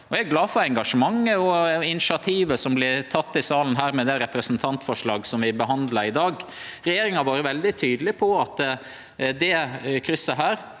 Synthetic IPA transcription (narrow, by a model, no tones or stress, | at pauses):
ɔɛɡɡlɑːfɔɾɛŋɡɑʂəmɑŋːəɔɪnɪʃɑt̪ʰiːʋəsɔmblɪt̪ʰɑt̪ːɪsɑːlən̩ɦæːɾmɛd̪ɛɾɛpɾəsnt̪ʰɑnt̪fɔʂɭɑːɡsɔmʋɪbəɦɑnd̪lɑɾɪd̪ɑːɡɾɛjeːɾɪŋɑʋɑːɾəʋɛld̪ɪt̪ʰyːd̪əlɪpʰɔɑt̪ | d̪ɛkʰɾʏsːəɦæːɾ